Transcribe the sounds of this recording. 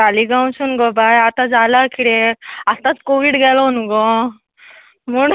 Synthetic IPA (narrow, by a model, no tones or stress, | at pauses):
aliɡãwt͡ɕunɡɔbajat̪ad͡zalakiɽeast̪at͡skoʋiːɽɡɛlɔnuɡɔ | muɳ